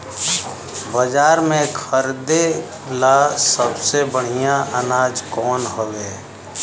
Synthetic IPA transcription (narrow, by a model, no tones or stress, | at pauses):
bəd͡ʒaːɾmẽkʰəɾd̪e | lasəbsebəɽ̤ijaʔənaːd͡ʒkɔːnɦoːɡeː